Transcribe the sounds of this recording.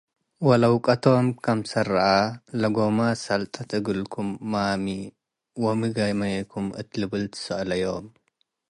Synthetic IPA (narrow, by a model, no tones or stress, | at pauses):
wɐlɐwkʼɐt̪ʰomkʰɐmsɐɾʔalɐɡomasɐlt̪ʼɐt̪ʰɨɡɨlkʰumːami | womɨɡajmɐjɐkʰumɨ̰t̪lɨβɨlt̪ʰɨ̥sɐʔlɐjom